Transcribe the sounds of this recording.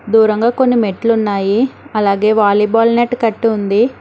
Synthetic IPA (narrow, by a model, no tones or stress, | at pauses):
d̪uːɾɐŋɡaːko̞nːimeʈːlunːaːjiɐlaːɡe̞ːʋaːliːbaːlneʈkɐʈːiund̪i